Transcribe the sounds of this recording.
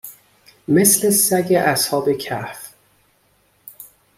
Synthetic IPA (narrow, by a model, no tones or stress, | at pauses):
meslesæɡeʔæshɒːbecʰæf